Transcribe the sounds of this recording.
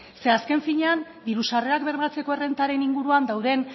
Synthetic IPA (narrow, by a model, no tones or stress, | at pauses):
se̞aske̞ɱfiɲean | d̪iɾusare̞akbe̞ɾβat͡se̞ko̞e̞re̞nt̪aɾe̞niŋɡuɾuand̪awðe̞n